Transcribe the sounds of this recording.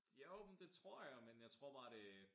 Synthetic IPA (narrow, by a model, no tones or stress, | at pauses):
jod̥e̝t͡sʰʁo̝ɐ̰jamenjäɪt͡sʰʁo̝ɐ̰b̥ɑ̈ːɾ̥e̝